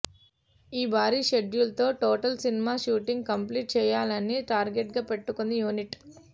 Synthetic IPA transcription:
iːbaːɾiːʃeɖjulɐt̪o̞ːʈoːʈɐlsinimaːʃuːʈiŋɡ̚kɐmpliːʈ̚t͡ʃɛːjaːlɐniʈaːɾɡeʈɡaːpe̞ʈːukund̪ijuːniʈ

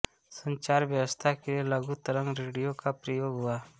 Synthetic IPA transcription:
sə̃ɲt͡ʃaːɾʋjəwəst̪ʰakelielɐɡut̪əɾə̃ŋɡɾeːɽijokapɾəjoːɡɦʊaː

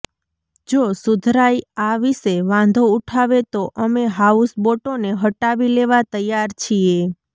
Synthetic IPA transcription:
d͡ʒosud̪ʱɾaiaʋiseʋãnd̪ʱouʈʰaʋet̪oʔəmeɦausboʈoneɦəʈaʋileʋat̪əjːaɾt͡ʃʰie

